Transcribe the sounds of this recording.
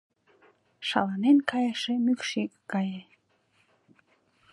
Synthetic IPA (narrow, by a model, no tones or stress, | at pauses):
ʃɑ̰lɑnenkɑjəʃemykʃikkːɑje